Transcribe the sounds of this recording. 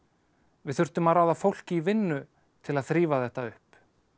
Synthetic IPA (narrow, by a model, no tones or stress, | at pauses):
vɪðθʏr̥t̪ʏmaðɾawðafowl̥cɪivɪnːʏ | t̪ʰɪlaðθɾiːvaθɛht̪aʏhp